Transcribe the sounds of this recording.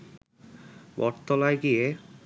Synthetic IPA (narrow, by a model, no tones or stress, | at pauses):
bɔɾt̪olaeɡije